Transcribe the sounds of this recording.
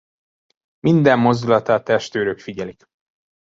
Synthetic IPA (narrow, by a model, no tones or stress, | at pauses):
mind̪ɛmːo̞zd̪ulɒt̪aːt̪ɛʃt̪øːɾøkfiɟɛlik